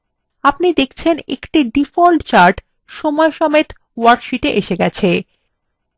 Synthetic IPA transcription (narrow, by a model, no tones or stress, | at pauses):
apnid̪ekʰt͡ɕʰenḛkʈiɖifolʈt͡ɕaɾʈ | ʃɔmɔeʃɔmet̪ | waɾkʃiʈeʔeʃeɡɛt͡ɕʰe